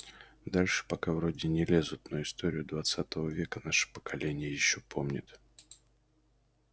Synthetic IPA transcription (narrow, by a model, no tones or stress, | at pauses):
d̪alʲʂɨ̥pɐkavɾo̞dʲɪnʲɪlʲezʊt̪noɪst̪o̞ɾʲɪjʊd̪vat̪sat̪əvəvʲe̞kənaʂɨ̥pə̥kɐlʲenʲɪjəjɪɕːopʰo̞mnʲɪ̰t̪